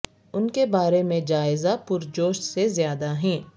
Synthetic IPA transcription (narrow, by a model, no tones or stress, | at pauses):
ʊnkebaːɾemẽd͡ʒaːɪzapʊɾd͡ʒoːʃsezjaːd̪aɦɛ̃ː